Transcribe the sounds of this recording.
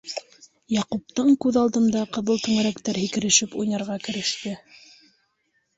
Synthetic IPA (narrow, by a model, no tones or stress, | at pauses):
jɑqup̚t̪ɤɴkʉðɑlˠd̪ɤ̆nd̪ɑqɤ̆ðɤlˠt̪ʉŋæɾækt̪æɾhikɘ̆ɾɘ̆ʃɘpujnɑɾʁɑkɘ̆ɾɘ̆ʃt̪ɘ